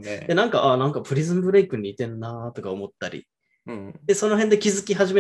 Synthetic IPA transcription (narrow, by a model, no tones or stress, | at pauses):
d̪enãŋkaʔanãŋkapɯ̟ɾʲizɨ̃mbɯ̟ɾe̞ikɯ̟ɲ̟iːt̪ẽ̞nːat̪o̞kaomo̞t̪ːaɾʲḭ | d̪̥e̞so̞no̞ɦẽ̞nd̪ekʲizɨkʲiɦaʑime